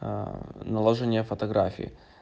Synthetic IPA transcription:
nɐlˠɐʐɨnʲɪjəfɐt̪ɐɡɾafʲḭɪ̰

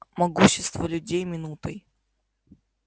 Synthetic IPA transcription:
mɐɡuɕːɪst̪vəlʲʉdʲejmʲɪnut̪əj

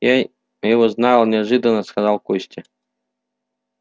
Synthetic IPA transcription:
ja | jɪvɔznalˠnʲɪaʐɨd̪ənːəskazɑlˠkusʲtʲɪ

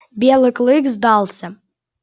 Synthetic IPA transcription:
bʲelˠɨkʼlˠɨkzd̪alˠsʲɐ

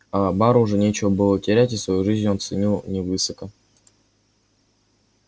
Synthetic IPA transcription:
abaɾəʊʐɛnʲet͡ɕɪvəbɨlˠətʲɪɾʲætʲɪsvɐjuʐɨzʲnʲont̪sɨnʲilˠnʲɪvɨsəkə

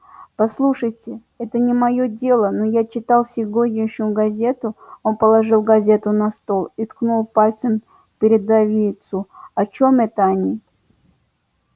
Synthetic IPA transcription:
pɐslˠuʂəjtʲɪ | ɛt̪ənʲɪmɐjo̞dʲe̞lˠənojat͡ɕɪt̪ɑlˠsʲɪɡoɾʲnʲɪjɕʊʊɡɐzʲe̞t̪ʊo̞npəlˠɐʐɨlˠɡɐzʲe̞t̪ʊnɐst̪o̞lˠit̪knulˠpalʲt̪sən | pʲɪɾʲɪd̪ɐvʲijt̪sʊɐt͡ɕomɛt̪əɐnʲi

